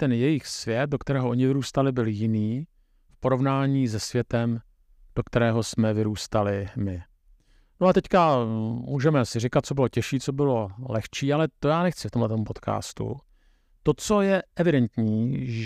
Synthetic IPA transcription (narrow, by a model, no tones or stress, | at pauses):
t̪ɛnjɛjɪxsvjɛt̪̚do̞kt̪ɛɾɛːɦoʔo̞ɲɪvɪɾuːst̪alɪbɪljɪniː | fpo̞ɾo̞vnaːɲiːzɛsvjɛt̪ɛm | d̥o̞kt̪ɛɾɛːɦo̞smɛvɪɾuːst̪alɪmɪ | noat̪ɛckamuːʒɛmɛsɪrɪkat̪̚t͡so̞bɪlo̞cɛʃiːt͡so̞bɪlo̞lɛxt͡ʃiːalɛt̪o̞jaːnɛxt͡sɪ̥ft̪o̞mɦlɛt̪o̞mpo̞t̪kʰa̰ːst̪ṵ | t̪o̞t͡so̞jɛʔɛvɪdɛnt̪ɲiːʒ